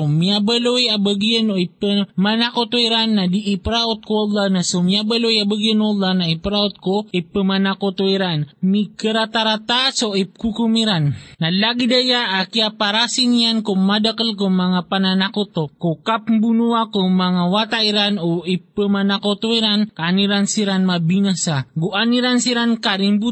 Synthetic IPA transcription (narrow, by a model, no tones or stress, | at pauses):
omiabalojabəɡianoipəmanakot̪oiɾanːadiʔːpɾaʔot̪̚koɑlˠːɑhnasomiabalojabaɡianwɑlːahnaipɾaot̪̚koʔipəmanakot̪oiɾanmikəɾat̪aɾat̪asoikukumiɾanːalaɡid̪ajaʔakiapaɾasinijankoŋmadakəlk̬oŋmaŋapananakot̪okokapmbunuakoŋmaŋawat̪aiɾanoipəmanakot̪oiɾankaːniɾansiɾanmabinasaɡuʔaniɾansiɾankaɾimbu